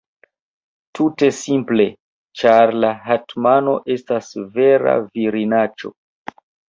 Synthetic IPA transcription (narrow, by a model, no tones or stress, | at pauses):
tʰute̞simple̞ | t͡ʃaɾlaɦatmano̞̰ʔe̞stasve̞ɾa̰viɾinat͡ʃo̞̰